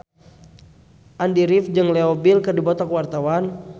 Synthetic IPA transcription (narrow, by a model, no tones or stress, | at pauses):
ʔandiɾifd͡ʒɨŋleobilkɨrdibɔt̪ɔkəwart̪awan